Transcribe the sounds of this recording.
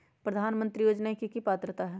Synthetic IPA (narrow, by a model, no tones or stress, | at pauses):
pɾɐd̪ʱaːnmə̃nt̪ɾijoːd͡ʒnakikipaːt̪ɾət̪aɦɛ